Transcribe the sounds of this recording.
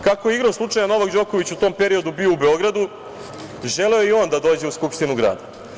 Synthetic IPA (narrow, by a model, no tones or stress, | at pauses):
kako̞jeiɡɾoslˠut͡ʂajano̞ʋaɡd͡ʑo̞ko̞ʋit͡ɕut̪o̞ːmpe̞ɾio̞d̪ubioubeo̞ɡɾad̪u | ʒeleoio̞ːnd̪ad̪o̞ːd͡ʑe̞uskupʃt̪inuɡɾa̰ːd̪a